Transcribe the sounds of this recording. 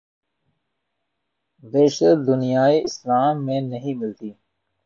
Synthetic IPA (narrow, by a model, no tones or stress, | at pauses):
beːʃəɾd̪ʊnijaːiʔɪslaːmːẽnɐɦĩmɪlt̪iː